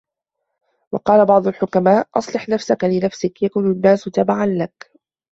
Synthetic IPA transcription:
wɑqɑːlabɑʕd̪ˤʊlħʊkamaːʔʔɑsˤlɨħnafsakalɪnafsɪkjakuːnʊnːaːsʊt̪abaʕanlak

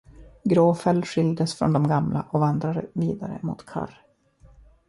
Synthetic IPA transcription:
ɡɾoːfɛlɧʏld̪əsfɾɔ̰nd̪ɔmɡamlʔa̰ʔɔvand̪ɾad̪əviːd̪aɾə̰mʊ̰t̪kʰa̰r

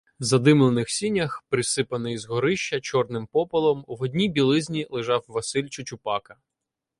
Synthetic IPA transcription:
zɐd̪ɪmlˠɔnɪxsʲinʲɐxpɾɪsɪpɐnɪjzɦɔɾɪʃt͡ʃːɐt͡ʃɔrnɪmpɔpɐlˠɔmʋɔdʲnʲibʲilˠɪzʲnʲilˠɪʒɑwʋɐsɪlʲt͡ʃʊt͡ʃʊpɑkɐ

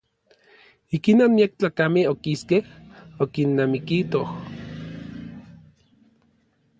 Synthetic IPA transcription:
ikinonmiak̚t͡ɬaːkameokiskehokinːamikit̪oh

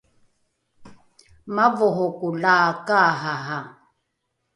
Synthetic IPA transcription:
mavɔɦɔkulaːkaːɦaɦa

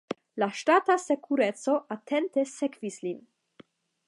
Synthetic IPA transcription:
laʃtatase̞kʰuɾet͡so̞ʔatʰe̞nte̞sekvislin

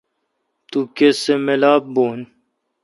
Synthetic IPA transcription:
t̪ukesemelaːb̚boːn

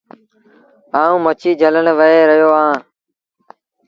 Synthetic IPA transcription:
aːũːmət͡ʃʰiːd͡ʒʱələnʋəeːɾəjoːãː

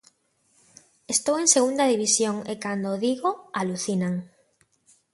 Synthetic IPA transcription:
est̪oweŋseɣund̪aðiβisjoŋekand̪oðiɣoaluθinaŋ

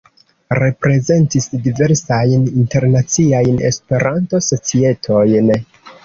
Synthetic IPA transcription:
ɾe̞pɾe̞ze̞ntisdive̞ɾsajninte̞ɾnat͡siajne̞̰spe̞ɾʔanto̞so̞t͡sie̞tʰo̞jn

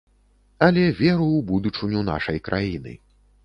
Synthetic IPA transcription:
ɐlʲɛvʲɛɾuwbud̪ut͡ʂɨnʲun̪a̰ʂɐjkɾʔajinɨ̰

